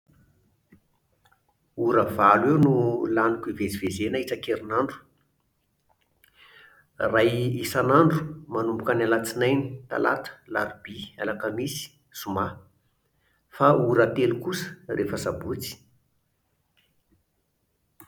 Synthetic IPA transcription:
uɾəvalwewnulanukived͡zivezenaiʈ͡ʂakeɾinaɳɖ͡ʐu̥ | rajisanaɳɖ͡ʐu̥manumpu̥kanalat͡sinajni̥t̪a̰la̰t̪ə̥la̰ɾbia̰lakəmisi̥ | suma | fauɾət̪elukusə̥refəsabut͡si̥

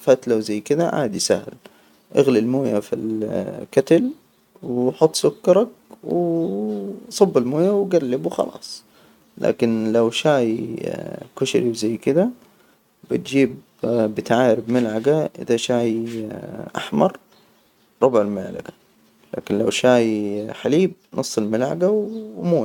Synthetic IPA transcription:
fat̪lawzajːkɪd̪aʕa̰ːd̪isahl | ʔaɣlilmoːjafḭlkat̪al | wħʊt̪ˤːsʊkːɑɾˤɑk̚wɪ | sˤɑbːɪlmoːjawɡalːɪbuxɑ̰lɑ̰ːsˤ | la̰ːkɪnlawʃaːj | kʊʃɾiwzajːkɪd̪a | bɪt̪̚d͡ʒiːb | bɪt̪ʕaːɾɪbmɪlʕaɡaʔɪ̰ðaʃaːj | ʔa̰ħmɑɾˤ | ɾˤʊbʕɪlmɪʕla̰ɡa | la̰ːkɪnlawʃaːjħaliːb̚nʔɨsˤːɨlmɪlʕa̰ɡawmoːja

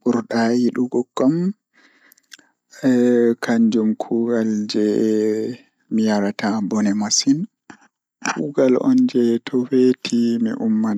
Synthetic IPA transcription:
buɾɗajiɗuɡɔɡːɔm | kʰaɲd͡ʒumkʰuɡald͡ʒɛ | mijaɾatabɔnɛmasin | kʰuɡalʔɔ̰nd͡ʒɛtʰɔwetʰimḭʔumːan

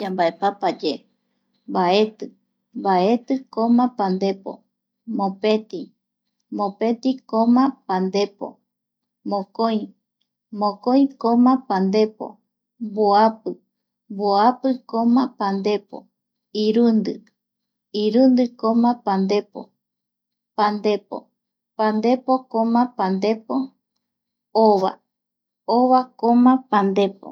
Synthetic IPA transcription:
ambaepapad͡ʒe | mbae̞t̪ɨ | mbae̞t̪ɨkõmãpand̪e̞po̰ | mõpe̞t̪i | mõpe̞t̪ikõmãpãnd̪e̞po̞̰ | mõkoj̃ | mõkõj̃kõmãpand̪e̞po̰ | boapɨ | mboapɨkomãpand̪e̞po̰ | iɾɨnd̪ɨ | iɾɨnd̪ɨkõmãpand̪e̞po̰ | pãnd̪e̞po̰ | pand̪e̞pokõmãpãnd̪e̞po | oʋa̰ | oβakomãpand̪e̞po̰

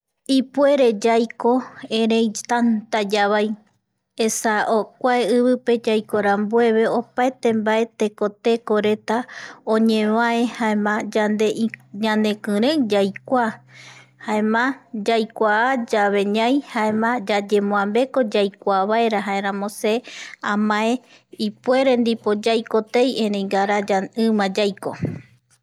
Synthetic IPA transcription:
ipue̞ɾe̞d͡ʒajko̞eɾẽjt̪ant̪ad͡ʒaβaj | esaʔokʷaeɨβɨpe̞d͡ʒajkoɾambue̞βe̞o̞paet̪e̞mbae̞t̪ekot̪e̞ko̞ɾe̞t̪aõɲẽβaehaemãd͡ʒand̪e̞ʔɲãnd̪ẽ̞kɨ̃ɾẽd͡ʒajkʷa | haemãd͡ʒajkʷaad͡ʒaβe̞ɲãjhaemãd͡ʒad͡ʒe̞mõãmbe̞ko̞d͡ʒajkʷaβaeɾaɦaeɾãmõseãmãẽ | ipue̞ɾe̞nd̪ipo̞d͡ʒajkot̪ejeɾejɡaɾad͡ʒaɨ̃mãd͡ʒajko̰

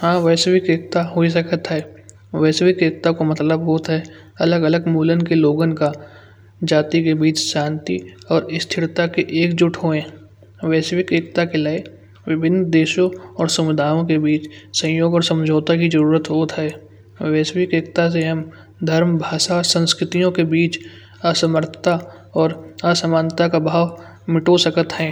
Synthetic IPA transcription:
hãːʋɛːsʋikeːkt̪aɦois̬ɐkʰət̪ɦɛː | ʋɛːsʋɪkeːk̚t̪akomɐt̪ləbɦoːt̪ɦɛː | ɐləɡələɡmuːlənkeloːɡənka | d͡ʒaːt̪ikebiːt͡ʃʃãːnt̪iɔːɾɪst̪ʰɪɾt̪akeʔeːkd͡ʒʊʈʰɦoːẽː | ʋɛːsʋɪkeːkt̪akelaːe | ʋɪbʱɪnːd̪eːʃõɔːɾsɐmɪd̪ʱaːjõkebiːt͡ʃsə̃jjoːɡɔːɾsə̃md͡ʒʱoːt̪akizəɾuːɾət̪ɦoːt̪ɦɛː | ʋɛːsʋɪkeːkt̪as̬eɦɐm | d̪ʱəɾmbʱaːʃasə̃nskɾɪt̪ijõkebiːt͡ʃ | asəməɾt̪ʰət̪a | ɔːɾasəmaːnt̪akabʱaːʋ | mɪʈosəkət̪ɦɛ̃ː

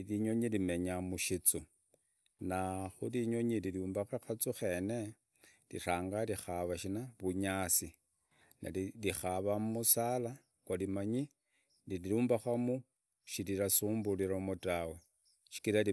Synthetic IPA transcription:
liɲo̞ɲilime̞ɲamuʃit͡su | naxuliɲo̞ɲililuːmbaxaxat͡suxe̞ne̞ | lḭraːŋɡalixaβaʃinaβuɲasi | na̰lixaβammusala | kwalimaɲi | nililuːmbaxamu | ʃiliɾasuːmbuliɾomutawe̞ | ʃi̥kiɾali

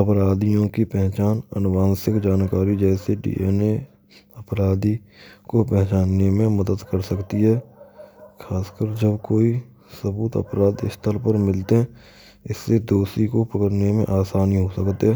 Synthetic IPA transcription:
ɐpɾaːd̪ijõkipɛɦt͡ʃaːnə̰nwaːnsɪkd͡ʒaːnkaːɾid͡ʒɛːseɖḭːeːne | əpɾaːd̪i | kopɛɦt͡ʃaːnːemẽməd̪əd̪kəɾsəkt̪iɦɛː | kʰaːskəɾd͡ʒəbkoːi | səbuːt̪ə̰pɾaːd̪ɪ̰st̪ʰəlpəɾmɪlt̪eɦɛ̃ | ɪsːed̪oːsikopəkəɾnemḛ̃ʔaːsaːniɦosəkt̪eɦɛː

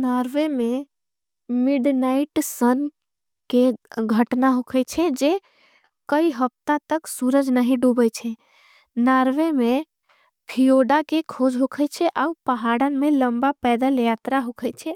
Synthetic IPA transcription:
naɾʋeme | miɖnaiʈsən | keɡʱəʈnaɦokʰət͡ʃʰɛd͡ʒe | kəiɦəp̚t̪at̪əksuɾəd͡ʒnəɦĩɖubət͡ʃʰɛ | naɾʋeme | pʰijoɖakekʰod͡ʒɦokʰət͡ʃʰɛʔaupəɦaɽənmẽləmbapɛd̪əljat̪ɾaɦokʰəjt͡ʃʰɛ

